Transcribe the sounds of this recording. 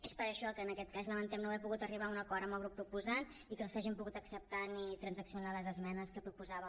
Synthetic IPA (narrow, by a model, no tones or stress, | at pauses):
espəɾəʃɔkəːnəkɛt̪̚kazləmənt̪ɛmnoɛpuɣut̪əriβ̞aunəkɔɾəmbəlˠɣɾupːɾupuzan | ikənosaʒimpuɣut̪əksəp̚t̪anit̪ɾənzəksiunaləzəzmɛnəskəpɾupuzaβə